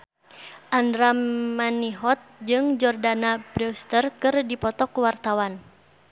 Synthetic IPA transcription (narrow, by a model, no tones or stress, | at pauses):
ʔandɾamːaniɦɔt̪̚d͡ʒɨŋd͡ʒɔrdanabɾist̪ərkɨrdipɔt̪ɔkuwart̪awan